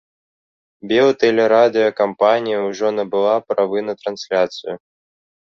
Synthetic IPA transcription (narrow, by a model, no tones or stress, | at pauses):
bʲɛlˠt̪ɛlʲɛɾad̪ɨjɐkampanʲijɐwʐɔnɐbɨlˠapɾavɨnɐt̪ɾansʲlʲat̪sɨjʊ